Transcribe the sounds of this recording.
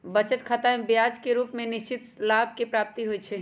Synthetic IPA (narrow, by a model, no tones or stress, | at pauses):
bət͡ʃət̪kʰat̪amebjad͡ʒkeɾuːpmẽnɪʃt͡ʃɪt̪laːb̚ʱkepɾaːp̚t̪iɦojt͡ʃʰɛ